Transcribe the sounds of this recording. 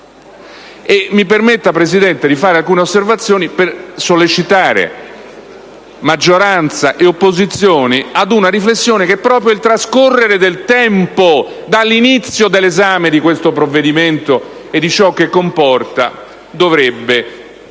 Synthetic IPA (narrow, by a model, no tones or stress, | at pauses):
emːipermet̪ːapɾesid̪ɛnt̪ed̪ifaːɾealkuːneosːervat̪sːjoːnipersolːet͡ʃit̪aːɾḛ | mad͡ʒːoɾant̪saʔeopːozit̪sjoːniad̪unaɾiflesːjoːnek̟ɛpːɾɔːpɾjoilt̪ɾaskorːeɾed̪elt̪ɛmpo | d̪alːinit̪sːjod̪elːezaːmed̪ikwest̪opɾovːed̪iment̪o | ed̪ːit͡ʃɔk̟ːekːompɔrt̪a̰ | d̪ovɾɛbːe